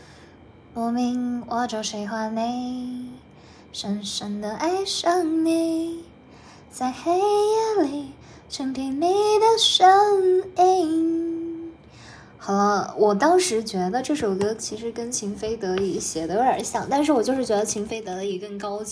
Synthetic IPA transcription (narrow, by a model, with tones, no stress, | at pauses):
mɔ˧˥mi˧˥ŋwʔɑ˧˥ʈ͡ʂo˧˩ʂe˧˥ɪxwa˥˩ne˥˧˩ɪ | ʂə˧˥nʂə˧˥nd̪ə˨ʔa˥˩ɪʂə˥˩ŋni˧˩ | t͡sa˥˩ɪxe˥ɪ˧˥li˨˩˦ | ʂə˥ŋpʰi˧˩nme˧˥ɪd̪ə˧˩ʂə˥ŋi˥ŋ | xɤ˧˥wʔɔ˨˩t̪ɑ˥ŋʂɻ̩˧˥t͡ɕɥɛ˧˥d̪ə˧ʈ͡ʂɤ˥˩ʂo˨˩ʊk̪ɤ˧˥t͡ɕʰi˧˥ʂɻ̩˧˥kə˥nt͡ɕʰi˧˥ŋfe˥ɪt̪ɤ˧˥i˨˩˥ɕjɛ˨˩d̪ə˧˥ə˞˨˥ɕjɑ̰˨˩ŋt̪a˥˧nʂ̬ɻ̩˥˩wɔ˨˩t͡ɕjo˥˧ʊʂɻ̩˥˩t͡ɕɥɛ˧˥d̪ə˧t͡ɕʰi˧˥ŋfe˥ɪt̪ɤ˧˥d̪ə˧i˨˩kə˥˩ŋkɑ˥ʊ˧